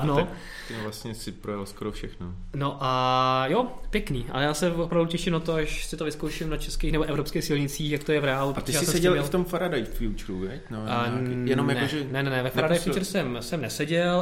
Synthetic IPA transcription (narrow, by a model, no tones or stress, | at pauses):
no | ɛmvlasɲɛsɪpɾojalskoɾofʃɛxnonoʔajopjɛkniːʔa̰jaːsɛvopɾavducɛʃɪmnat̪oaʃsɪt̪ovɪskowʃɪmnat͡ʃɛskeːxnɛboʔɛvɾopskɛjxsɪlɲɪt͡siːxjak̚t̪ojɛvɾɛaːlupɾot̪oʒɛjaːsmssɛɟɛlɛft̪omfaɾadajfjut͡ʃɾuvɛtnojɛnomjaɛoʒɛnɛnɛnɛvɛfaɾadaajffjut͡ʃɾsɛmsɛmnɛsɛɟɛl